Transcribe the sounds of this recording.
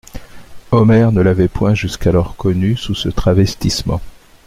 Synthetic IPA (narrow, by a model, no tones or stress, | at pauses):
ɔmɛʁnəlavɛpwɛ̃ʒyskalɔʁkɔnysusət̪χavɛst̪ismɑ̰̃